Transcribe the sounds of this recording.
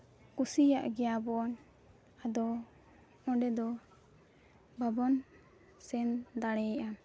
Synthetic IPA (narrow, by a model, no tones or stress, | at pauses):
kusijaʔɡɛjabɔn | ad̪ɔ | ɔ̃ɖɛd̪ɔ | babɔn | sɛnd̪aɽɛɛʔa